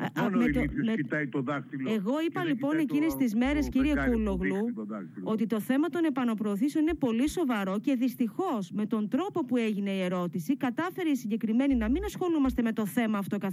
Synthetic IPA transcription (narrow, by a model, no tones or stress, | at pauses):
me | t̪oðɐkt̪eɣo̞ipɐlipo̞ne̞cinest̪izme̞ɾe̞sciɾiekuloɣluot̪it̪o̞θe̞mɐt̪o̞ne̞pɐno̞pɾo̞ːθiseo̞nine̞po̞liso̞vɐɾo̞ce̞ðist̪ixo̞sme̞t̪o̞nd̪ɾo̞po̞pue̞ʝine̞ie̞ɾo̞t̪isikɐt̪ɐfe̞ɾeisiɲɟe̞kɾime̞ninɐminɐsxo̞lumɐst̪e̞me̞t̪o̞θe̞mɐːft̪o̞kɐ